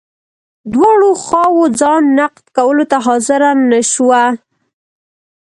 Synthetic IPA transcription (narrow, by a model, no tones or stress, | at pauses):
d̪wɑɽoxɑwod͡zɑnːaqd̪kawəlot̪aɦɑzɪɾanːəʃwa